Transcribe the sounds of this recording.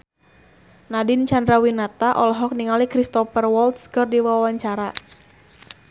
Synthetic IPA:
nadint͡ʃandɾawinat̪aʔɔlɔɦɔk̚niŋalikɾist̪ɔfərwɔlt̪skɨrdiwawaɲt͡ʃaɾa

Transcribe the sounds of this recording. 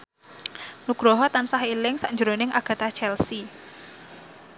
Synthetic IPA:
nuɡ̥ɾɔɦɔt̪ansaɦilɪŋsaʔɲd͡ʒəɾonɪŋʔaɡ̥a̤t̪at͡ʃɛlsi

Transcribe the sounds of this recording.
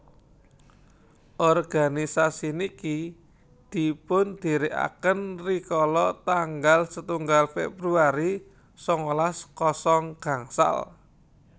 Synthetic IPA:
ʔɔrɡ̥a̤nisasiniki | d̪̥i̤pʊnd̪̥i̤ɾɪʔa̰kənrikɔlɔt̪aŋɡalsət̪uŋɡalfɛ̰bɾuaɾi | sɔŋolaskɔsɔŋɡ̥a̤ŋsa̰l

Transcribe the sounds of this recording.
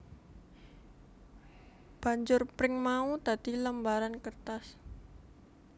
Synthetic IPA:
b̥a̤ɲd͡ʒʊrpɾɪŋmaut̪ad̪̥i̤ləmbaɾankərt̪as

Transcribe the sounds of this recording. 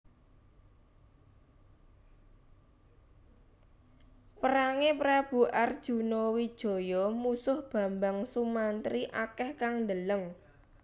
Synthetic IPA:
pəɾaŋepɾab̥ṳʔard̥ʒ̥ṳnɔwid̥ʒ̥o̤jɔmusʊhb̥ä̤mbaŋsumant̪ɾiʔakɛhkaŋnd̪ələŋ

